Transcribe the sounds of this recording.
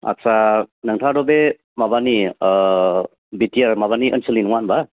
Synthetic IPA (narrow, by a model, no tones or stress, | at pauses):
a̰sanɯŋtʰadɔbe | mabani | bitiaɾmaβaniʔənsulinwanba